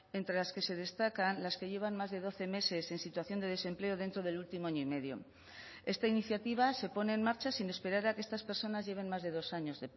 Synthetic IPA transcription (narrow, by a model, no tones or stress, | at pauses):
e̞nt̪ɾe̞laske̞se̞ð̞e̞st̪akanlaske̞ʝe̞β̞anmazðe̞ðo̞θe̞me̞se̞se̞nsit̪waθjo̞nd̪e̞ð̞e̞sẽ̞mple̞oð̞e̞nt̪ɾo̞ð̞e̞lult̪imoaɲoime̞ðjo̞̰ | e̞st̪ainiθjat̪iβ̞ase̞po̞ne̞ːnmaɾt͡ʃasine̞spe̞ɾaɾakeest̪aspe̞ɾso̞nazʝe̞β̞e̞nmazðe̞ð̞o̞saɲo̞zðe